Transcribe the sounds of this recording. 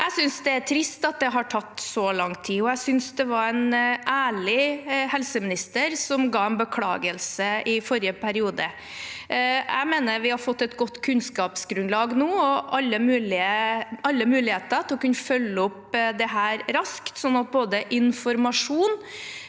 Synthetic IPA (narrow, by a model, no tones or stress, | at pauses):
ʔæɪsʏnsd̪ɛæʈʰɾɪst̪ɑt̪̚d̪ɛɦɑʈʰɑt̪ːsɔlɑŋt̪ʰiːɔæsʏnsd̪ɛʋɑɾænʔæːɭɪhɛlsəmɪnɪst̪əɾsɔmɡɑːɛnbəkʰlɑ̰ːɡəlsəɪfɔɾjəpʰæɾɪuːd̪ə | æ̰ɪmeːnəɾʋɪhɑɾfɔt̪ːɛt̪ɡɔt̪ːkʰʉnskɑːpsɡɾʉnd̪lɑːɡnuːɔʔɑlːəmʉːlɪəʔɑlːəmʉːlɪheːt̪əɾt̪ʰlɔkʉnːəfœlːəɔpd̪ɛɦæːɾɾɑskt̪sɔnːɑt̪̚boːd̪əʔɪnfɔɾmɑʂuːn